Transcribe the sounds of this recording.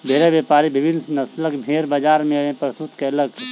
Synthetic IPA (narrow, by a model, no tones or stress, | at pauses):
bʱeːɾaʋjeːpaːɾibɪbɪnsnɐsləkbʱeːɾbad͡ʒaːɾmẽɐẽpɾəst̪ut̪keləɡ